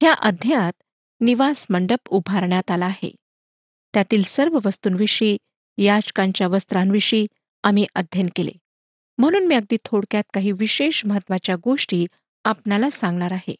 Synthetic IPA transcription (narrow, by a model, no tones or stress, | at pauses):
ɦjaʔəd̪ʱjaat̪ | niʋasməɳɖəpubʱaɾɳjat̪alaːɦḛ | t̪jat̪iːlsəɾʋəʋəst̪uːnʋiʂiː | jad͡ʑkãɲt͡ɕjaʋəst̪ɾanʋiʂiː | amiʔəd̪ʱjənkelḛ | m̤əɽ̃uːnmiəɡ̚d̪iːt̪ʰoɽkjat̪̚kaɦiːʋiɕeʂməɦət̪ːʋat͡ɕjaɡoʂʈiː | apnalasãŋɡɳaɾaɦḛ